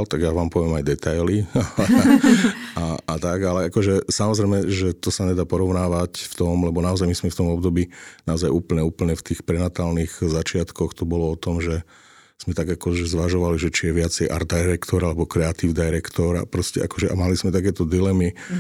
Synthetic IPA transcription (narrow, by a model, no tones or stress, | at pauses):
lt̪aɡjaʋaːmpɔʋɪɛmajd̪ɛt̪ajlia | ʔaat̪aɡalɛakɔʒɛsamɔzɾɛjmɛʒɛt̪ɔsaɲɛd̪aːpɔɾɔʊnaːʋacft̪ɔmlɛbɔnaɔzajmiz̥mɛft̪ɔmɔbd̪ɔbiːnaɔzajuːpl̩ɲɛuːpl̩ɲɛft̪iːxpɾɛnat̪aːlniɣzat͡ʃɪat̪kɔxt̪ɔbɔlɔɔt̪ɔmʒɛ | z̥mɛt̪aɡakɔʒɛzʋaʒɔʋaliʒɛt͡ʃijɛʋɪat͡sɛjʔa̰ɾd̪aɾɛkt̪ɔɾalɛbɔkɾɛat̪iːʊd̪ajɾɛkt̪ɔɾa̰pɾɔscɛʔakɔʒɛʔa̰maliz̥mɛt̪ak̬ɛːt̪ɔd̪ilɛmi